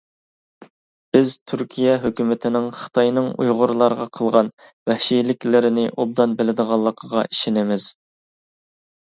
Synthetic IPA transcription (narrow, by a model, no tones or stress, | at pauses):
b̥ɪzt̪ʰyɾkʲʰijɛɦøkʲymɪt̪ʰɪnɪŋχə̥t̪ʰɑjnɨŋṵjʁʊɾlˠɑɾʁɑqʰəlˠʁɑn | wæhʃilɪkʲlɪɾɪnɪʔob̚d̪ɑnbɪlɪd̪əʁɑlˠːəqʰəʁɑ̰iʃɪnɪmɪz̥